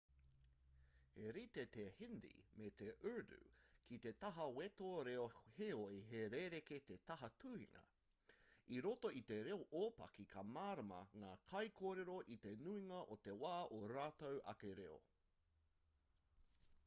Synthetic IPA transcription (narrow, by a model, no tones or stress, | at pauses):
heɾit̪et̪ehɪnd̪ḭmet̪eʔø˞dʉ̰kʰit̪e̞t̪ɐɦɐwet̪oːɾeoheoiɦeɾeɾeket̪et̪ɐɦɐtʰuːhḭŋɐ̰ | iɾotoit̪e̞ɾeoʔoːpɐ̰kikʰɐmaːɾɐmɐ̰ŋaːkʰɐjkʰoːɾeɾoʔit̪enuiŋɐʔot̪e̞waːʔoɾaːt̪owʔɐ̰keɾeo̰